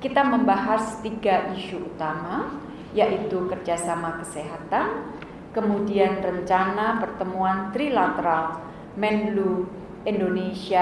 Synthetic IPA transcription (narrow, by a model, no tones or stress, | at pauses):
kit̪aməmbaɦast̪iɡaʔiʃuʔut̪ama | jaʔit̪ukərd͡ʒasamakə̥seɦat̪an | kəmudianrəɲt͡ʃanapərt̪əmuant̪ɾilat̪əɾal | mɛnlu | indonesia